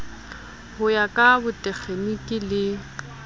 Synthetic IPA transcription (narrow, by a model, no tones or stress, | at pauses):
hʊjakʼabʊtʼɛk͡xʰenikʼɪlɪ